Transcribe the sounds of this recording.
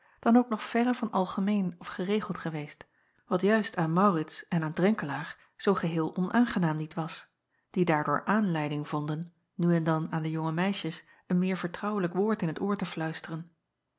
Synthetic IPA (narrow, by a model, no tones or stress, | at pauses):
d̥ɑnowknɔχfɛrəvɑnɑlˠχəmejnɔfχərejχəlˠtχəʋejst | ʋɑtjœɥstaːnmɑwrɪtsɛnaːndrɛŋkəlaːɹ | z̥owχəɦɪːlˠʔɔnʔaːnχənaːmnitʋɑs | d̥idaːɹdʊ̰ːɹʔaːnlɛjdɪŋv̥ɔndənː | yɛndɑnaːndəjʊŋəmɛjʃəs | ənmɪːɹv̥əɹtrɑwələkʋʊːɹtɪnɦətʊːɹtəflœɥstərən